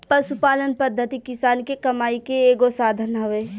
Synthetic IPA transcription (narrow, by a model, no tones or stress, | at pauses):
pəsʊpaːlənpəd̪ʱːət̪ikɪsaːlkekɐmaːikeːɡosaːd̪ʱənɦɐʋeː